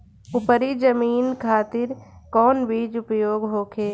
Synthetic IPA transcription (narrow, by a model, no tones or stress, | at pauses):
ʊpəɾid͡ʒəmiːnkʰaːt̪ɪɾkɔːnʋiːd͡ʒʊpjoːɡɦoːkʰeː